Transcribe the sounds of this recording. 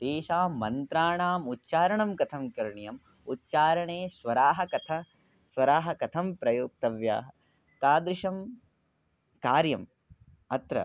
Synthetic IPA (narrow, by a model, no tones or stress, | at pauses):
d̪̥eːʃaːmːɐnt̪ɾaːɳaːmut̪ːʃaːɾɐɳɐmkɐt̪ʰɐmkɐɾɳjɐm | ut̪t͡ʃaːɾɐɳeːsʋɐɾaːɦɐkɐt̪ʰɐ | sʋɐɾaːɦɐkɐt̪ʰɐmpɾɐjuːk̚t̪ɐʋja̰ːɦɐ | t̪aːd̪ɾɪʂɐm | kaːɾjɐm | ɐt̪ɾɐ̰